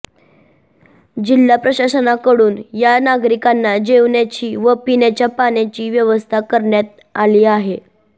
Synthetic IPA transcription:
d͡ʑilːapɾəɕasənakəɽuːnjanaɡɾikanːad͡ʑeʋnjat͡ɕiːʋəpinat͡ɕjapanat͡ɕiːʋjəʋəst̪ʰakəɾɳjat̪̚ | aliːaɦe

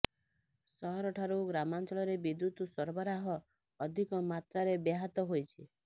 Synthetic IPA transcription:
sɔɦɔɾɔʈʰaɾuɡɾamant͡ʃɔɭɔɾebid̪jut̪usɔɾbɔɾaɦɔː | d̪ʱikɔmat̪ɾaɾebeɦat̪ɔɦojt͡ʃʰi

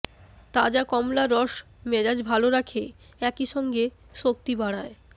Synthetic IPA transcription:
t̪ad͡ʑakɔmlaɾɔʃ | mɛd͡ʑad͡ʑbʱaloɾakʰe | ɛkiʃɔŋɡe | ʃok̚t̪ibaɽ̃ae

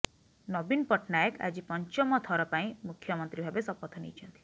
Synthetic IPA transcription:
nɔbinpɔʈʰnajəka̰d͡ʒipɔɲt͡ʃɔmɔt̪ʰɔɾɔpaĩmukʰjɔmɔnt̪ɾibʱabesɔpɔt̪ʰɔnḭt͡ʃʰɔnt̪i̥

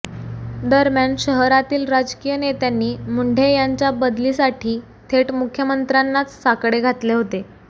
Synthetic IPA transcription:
d̪əɾmjaɳɕəɦɾat̪iːlɾad͡ʑkijənet̪janːiːmuɳɖʱejaɲt͡ɕjabəd̪liːsaʈʰiː | t̪ʰeʈmukʰjəmənt̪ɾanːat͡ssakɽeɡʱat̪leɦot̪e

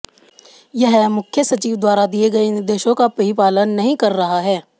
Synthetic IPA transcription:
jɐɦmʊkʰjəsɐt͡ʃiːʋd̪waːɾad̪ieɡɐenɪɾd̪eːʃõkapɐɦipaːlənːɐɦĩkɐɾːɐɦaɦɛː

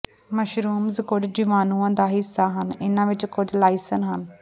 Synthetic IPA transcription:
məʃɾuːmzkʊd͡ʒd͡ʒɪʋaːnũːãːd̪aːɦɪsːaːɦənɪnãːʋɪt͡ʃkʊd͡ʒlaːisənɦən

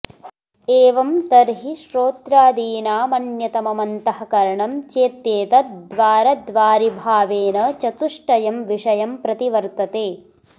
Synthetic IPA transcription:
eːʋɐmt̪ɐɾɦiʃɾoːt̪ɾaːd̪iːnaːmɐnjɐt̪ɐmɐmɐnt̪ɐɦɐkɐɾɐɳɐmt͡ʃeːt̪jeːt̪ɐd̪ʋaːɾɐd̪ʋaːɾibʱaːʋeːnɐt͡ʃɐt̪uʂʈɐjɐmʋiʂɐjɐmpɾɐt̪iʋɐɾt̪ɐt̪eː

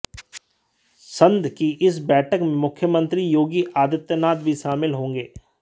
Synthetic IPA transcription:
sɐ̃nd̪ʱkiʔɪsbɛːʈʰəkmẽmʊkʰjəmə̃nt̪ɾijoːɡiʔaːd̪ɪt̪jənaːt̪bʱiʃaːmɪlɦõːŋɡeː

